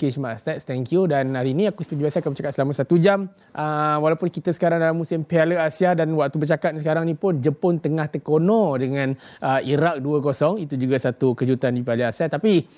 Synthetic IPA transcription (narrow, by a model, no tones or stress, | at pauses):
kiʃmaʔst̪at̪st̪ɛŋkjudanhaɾinĩakuspəbiasakanbət͡ʃakat̪̚səlamasat̪ud͡ʒam | ʔəwalapʊnkit̪əsə̥kaɾaŋdalamːusɪmpealəasiadanwak̚t̪ubərt͡ʃakat̪̚skaɾaŋnĩpʊnd͡ʒəpʊnt̪əŋaht̪əkonɔ̃dəŋãnʔəiɾak̚duəkosɔŋit̪ud͡ʒuɡasat̪ukəd͡ʒut̪andipaləasiat̪api